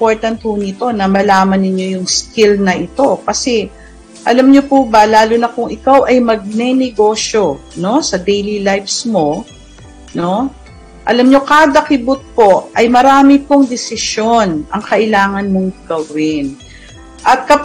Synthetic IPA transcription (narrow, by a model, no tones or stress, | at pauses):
poɹt̪ɐnt̪̚hʊnɪt̪o̞nɐmɐlaːmɐnːɪɲːo̞jʊŋskɪlnɐʔɪt̪o̞kɐsɛ | ʔɐlɐmɲopubɐlaːlʊnɐkʊŋʔɪkawʔɐjmɐɡ̚nɛnɛɡo̞ːʃo̞ | no̞sɐd̪ɛjlilajfsmo̞ | no̞ | ʔɐlɐmɲo̞kaːd̪ɐkɪbʊt̪̚po̞ʔɐjmɐɾaːmɪpoŋd̪ɛsɪʃjo̞nɐŋkɐʔɪlaːŋɐnmo̞ŋɡɐwɪn | ʔɐt̪̚kɐ